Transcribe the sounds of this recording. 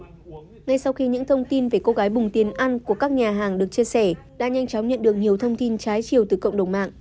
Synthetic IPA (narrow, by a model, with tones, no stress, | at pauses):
ŋa˧jsa˧wxi˧ɲɨ̰˧˥ŋt̪ʰə˧wŋ͡mt̪i˧nve˨˩ko˧ɣaː˨˦jɓʊ˨˩ŋ͡mt̪i˨˩˦ənʔa˧nku˧˩əkaː˦˥k̚ɲaː˨˩ɦaː˨˩ŋɗɨ˨˩ək̚t͡ɕi˧əsɛ˧˩ | ɗa̰ː˧˥ɲa˧jŋt͡ɕɔ˨˦wŋ͡mɲə̰˧˨nɗɨ˨˩ək̚ɲi˨˩əwt̪ʰə˧wŋ͡mt̪i˧nt͡ɕaː˨˦jt͡ɕi˨˩əwt̪ɨ˨˩kə̰˧˨wŋ͡mɗə˨˩wŋ͡mma̰ː˧˨ʔ